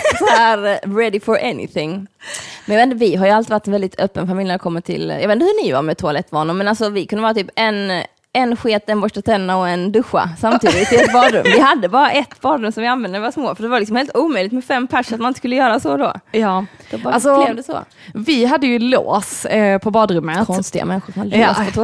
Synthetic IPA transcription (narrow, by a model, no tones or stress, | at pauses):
sɔhæɾɾɛd̪ɪfɔɹʔɛnɪ̰θɪŋ | mɛnjɑvet̪nəvɪɦaɾjɵalt̪iːvaʈːɛnvɛld̪ɪt̪ʰœpːənfamɪljnæɾɛkʰɔmːəʈʰɪ̰ljɑ̰eːnəhɵnɪva̰ɾmɛt̪ʰʊalɛt̪ːvɑːɳəmɛnalsɔvɪkʰɵnəʋɑːɾat̪yːpɛn | ɛnɧeːt̪ɛnbɔʂʈat̪ʰɛnːaɔɛnd̪ɵɧːa̰samt̪ʰid̪ɪɪt̪ʰːɪɛt̪̚bɑːd̪ɾʉmːvɪɦad̪ːəbɑːɾaʔɛt̪bɑːd̪ɾʉmsɔmvɪanvɛnd̪əɛvasmoːfœɖɛvaɾlɪksɔmheːlt̪uːmœʏjlɪkt̪mɛfɛmːpʰæʂat̪manɪnt̪əskɵlːəjœːɾasɔd̪o̰̥ | ɛalsɔd̪əsɔ̰ | vɪɦad̪ːəjɵlo̰ːspʰɔbɑːd̪ɾɵmːəkʰɔnst̪ɪɡa̰mɛnɧʊʂɔmhad̪ːsɔt̪ʰ